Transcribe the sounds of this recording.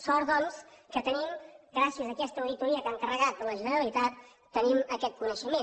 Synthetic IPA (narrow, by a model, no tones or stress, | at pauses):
sɔɾðɔnskət̪ənimɡɾasiəzəːkɛst̪əuðit̪uɾiəkaŋkərəɣat̪̚pələʒənəɾəlit̪at̪ː | əniməkɛt̪̚kunəʃəme